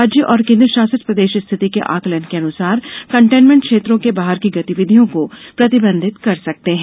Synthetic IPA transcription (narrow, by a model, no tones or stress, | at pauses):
d͡ʒjəʔɔːɾkẽːnd̪ɾəʃaːsət̪pɾɐd̪eːʃst̪ʰɪt̪ikḛʔa̰ːkləɳɖkeɐnʊsaːɾkɐ̃ɳʈeːnmɛ̃ɳʈ̚kʃeːt̪ɾõkebaːɦəɾkiɡɐt̪iʋɪd̪ʱijõkopɾɐt̪ɪbə̃nd̪ʱɪt̪kɐɾsɐk̚t̪eɦɛ̃